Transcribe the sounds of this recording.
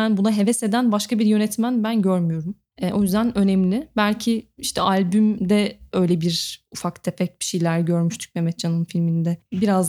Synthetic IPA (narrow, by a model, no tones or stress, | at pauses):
ænbunaɦe̞vɛse̞d̪ænbaʃkabiɾjø̞nɛt̪mænbænɟøɾmyjo̞ɾum | ɛʔo̞jyzd̪ænø̞nɛmlʲɪbælʲcʰiiʃt̪ʰɛʔalʲbymd̪ɛø̞jlʲebiɾufakt̪ʰepʰɛc̚bi̥ʃejlʲæɾɟø̞ɾmyʃt̪ʰy̥c̚memɛt̪t͡ʃʰanɯnfilʲminid̪ɛbiɾaz